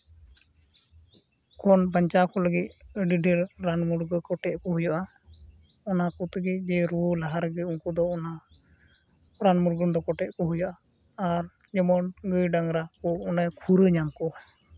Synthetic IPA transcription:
kɔnbaɲt͡ʃakɔləɡit̪̚ɖiɖʱɛɾɾanmuɾɡəkɔʈɛʔ̪̚ˀkɔɦujɔʔa | ɔnakɔt̪əɡit̪̚ˀd͡ʒɛɾulaɦaɾəɡit̪̚unkɔd̪ɔːna | ɾanmuɾɡənd̪ɔkɔʈɛt̪̚kɔɦujɔʔaː | ɾ | ɲɔmɔnɡəjɖaŋɾakɔɔnakʰuɾəɲamkɔ

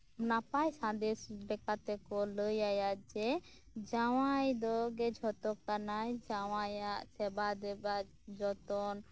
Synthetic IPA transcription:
napajsãd̪ɛsbɛkat̪ɛkɔləjajad͡ʒɛ | d͡ʒaw̃ajd̪ɔɡɛd͡ʒʱɔt̪ɔkanajd͡ʒawajaʔsɛbad̪ɛba | d͡ʒɔt̪ɔn

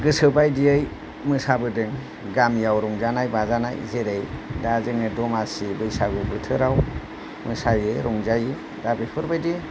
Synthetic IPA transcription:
ɡɯsɯbajdiɯj | mɯsabɯdɯŋ | ɡamjawɾɔŋzanajbazana̰jzeɾejdazɯŋɯdɔmasibɯjsaɡɯbɯtʰɯɾaw | mɯsajɯɾʔɔŋzajɯ | dabipʰɯɾbajdi

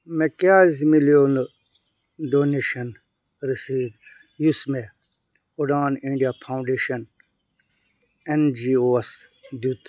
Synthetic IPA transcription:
mekaːzimiljonɨ | ɖoːneːʃɐn | ɾisiːd̪ | jusme | oɖaːnĩɳɖijapʰaũɳɖeːʃɐn | end͡ʒiːoːs | d̪ut̪

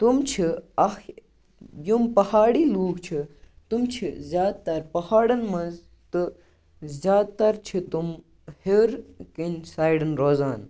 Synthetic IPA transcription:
t̪umt͡ʃʰiɐx | jumpɐhaːɽiːluːɡt͡ʃʰi | t̪umt͡ʃʰizʲjaːd̪̚t̪ɐɾpɐhaːɽɐnmɐnz | t̪ɨ | zʲjaːd̪̚t̪ɐɾt͡ʃʰit̪um | heɾkinʲsaːjɖɐnɾoːzaːn

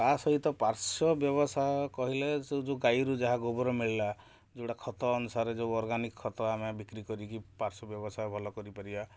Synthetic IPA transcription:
asɔɦit̪ɔpaɾsɔbjɔβɔsajɔkɔɦilesed͡ʒeɡajɾud͡ʒaɦaɡobɔɾɔmiɭila | d͡ʒeɽakʰɔt̪ɔːnusaɾed͡ʒeɔɾɡanikɔɔt̪ɔamabʱikɾikɔɾikipaɾsɔbjɔbɔsajbʱɔlɔkɔɾipaɾiba

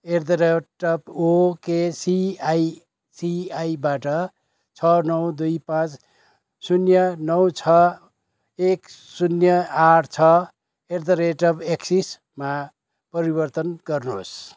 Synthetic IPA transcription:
erd̪ʌɾeʈʌpokesiaj | siajbaʈʌ | t͡sʰʌnʌwd̪ujpãt͡s | sunjʌnʌwt͡sʰʌ | ek | sunjʌaɾt͡sʰʌ | eɾd̪ʌɾeʈʌbeksis | ma | pʌɾibʌrt̪ʌnɡʌrnos

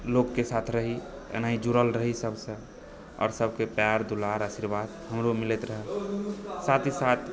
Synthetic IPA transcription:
lokːesat̪ʰɾəɦi | ḛnaɦid͡ʒuɾəlɾəɦisəbsə̃ | ɔ̰ːɾsəbʱkepaɾd̪ulaɾasiɾbaːd̪həmɾomɪlet̪ɾəɦɛ | sat̪ʰisat̪ʰ

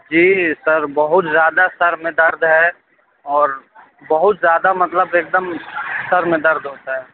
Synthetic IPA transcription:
d͡ʒiːsɐɾbəɦʊt̪zjaːd̪asɐɾmẽd̪ɐɾd̪ʱɦɛ | ɔːɾ | bəɦʊt̪zjaːd̪amɐt̪ləbeːk̚d̪əmsɐɾmẽd̪ɐɾd̪ɦoːt̪aɦɛː

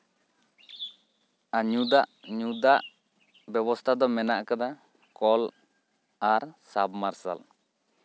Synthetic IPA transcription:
aɲud̪aʔɲud̪aʔ | bɛbɔst̪ʰad̪ɔmɛnaʔkad̪a | kɔl | aɾsabmaɾsa̰l

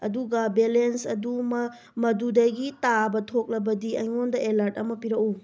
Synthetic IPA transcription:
ɐ̰duɡɐbelensɐdum | mɐdudɐɡitabɐtʰok̚lɐbɐdiɐjŋondɐʔelaɾt̚ɐmɐpiɾɐk̚u

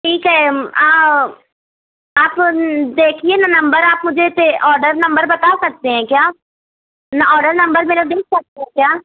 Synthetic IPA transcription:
ʈʰiːkɦɛːaː | aːpd̪eːkʰieːnãːnəmbəɾaːpmʊd͡ʒeːt̪eʔɔːɾɖəɾnəmbəɾbət̪aːsək̚d̪eːɦɛ̃ːkjaː | naʔɔːɖəɾnəmbəɾmeːnad̪eːk̚ʰsək̚d̪eːɦɛ̃ːkjaː

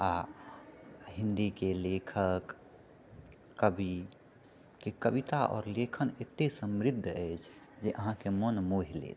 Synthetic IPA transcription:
a | ɦĩnd̪ikelekʰək | əbʱi | kekəbit̪aʔɔ̰ːɾlekʰənet̪ːesəmɾid̪ʱːəjt͡ʃʰ | d͡ʒeʔəɦãkemənmoɦilḛt͡ʃʰ

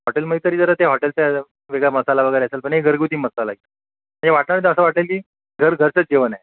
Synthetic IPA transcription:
ɦɔʈelməit̪əɾiːd͡zəɾət̪eɦɔʈelt͡sa | ʋeɡɭjaməsalaʋəɡəjɾeəselpəɳɦeɡʱəɾɡut̪iːməsalait̪ə | m̤əɳnd͡zeʋaʈnaɾit̪əəsəːʋaʈelkiː | ɡʱəɾɡʱəɾt͡sət͡sd͡ʑeʋənae

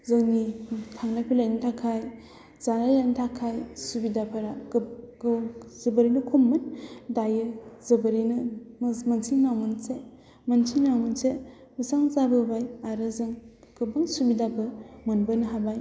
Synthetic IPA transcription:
zɯŋnitʰaŋlakpʰilajnitʰakʰaj | zanalajntʰakʰajsubidapʰɯɾaɡ | zɯbɯɾinɯkʰumːɯndajɯzɯbɯɾinɯmansʰiŋnawmɯnse | mansʰiŋnawmɯnse | məsaŋzabɯbajaɾɯzɯŋ | ɡ̥ɯbaŋsubidapʰɯmɯnbɯnɯɦabaj

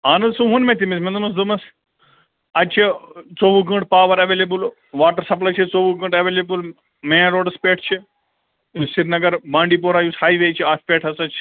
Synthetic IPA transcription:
aːnɐd̪suɦũnmẽt̪imismẽnd̪umɐs̬d̪umɐs | ɐt͡ʃʰit͡soːʋuɡə̃ɳʈpaːʋɐɾɐʋeːlebul | ʋaːʈɐɾsɐplɐt͡ʃʰit͡soːʋuɡə̃ɳʈɐʋeːleːbul | mẽːɾoːɖɐspeːʈʰt͡ʃʰi | siɾnɐɡɐɾbãːɳɖiːp̬oːɾaːjushaːiʋeːt͡ʃʰiaːfpʲeːʈʰɐsɐt͡ʃʰ

